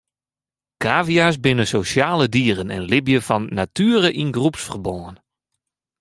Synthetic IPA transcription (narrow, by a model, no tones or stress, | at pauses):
kʰaːvias̬bɪnəsosjaːlədiːrənɛ̰nlɪbjəfɔnːatyəɾəʔinɡrupsfərbɔːən